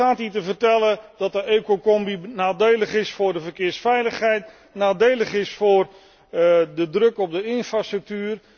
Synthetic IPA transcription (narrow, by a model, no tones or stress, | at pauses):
aːtitəvərtɛlˠədɔtəekokɔmbinaːdejlˠəχɪsfʊːrdəvərkɪːrsfɛjləxhɛjt | naːdejlˠəχɪsfʊːr | dədrøkɔp̚dəɪnfrastrək̚tyːr